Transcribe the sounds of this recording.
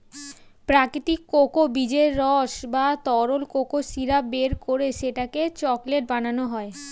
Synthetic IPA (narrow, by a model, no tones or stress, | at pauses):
pɾakit̪ikːokobid͡ʑeɾːɔʃbat̪ɔɾolkokosiɾabeɾkoɾeʃeʈaket͡ɕɔkleʈ̚bananoɦɔe